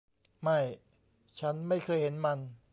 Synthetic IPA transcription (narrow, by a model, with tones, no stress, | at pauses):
ma˥˩j | t͡ɕʰa˦˥nma˥˩jkʰɤː˧jhe˩˦nma˧n